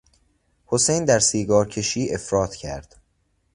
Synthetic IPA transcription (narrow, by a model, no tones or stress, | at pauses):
hosejnd̪æɾsiːɡɒːɾcʰe̞ʃiːʔe̞fɾɒːt̪ʰcʰæ̰ɾd̪̥